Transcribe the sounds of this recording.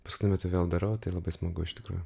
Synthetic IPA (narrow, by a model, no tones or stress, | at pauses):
pɐskʊt̪ʲʊmʲæːt̪ʊʋʲeːlˠd̪ɐɾɐʊt̪ɐɪlˠɐbɐɪsmɐɡʊɪʃt̪ʲɪ̥kɾuːjʊ